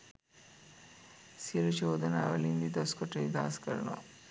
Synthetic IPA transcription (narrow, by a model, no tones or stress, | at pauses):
siɾɐt͡ʃoːd̪ɐnaʋɐlind̪id̪ɐskɔʈɐid̪a̰ːskɐɾɐno̰